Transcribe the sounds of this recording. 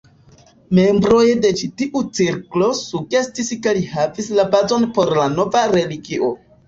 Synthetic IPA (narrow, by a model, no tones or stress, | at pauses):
me̞mbɾo̞jde̞t͡ʃitiʔut͡siɾklo̞suɡe̞stiskelihavislabazo̞npo̞ɾlano̞vaɾe̞liɡiʔo̞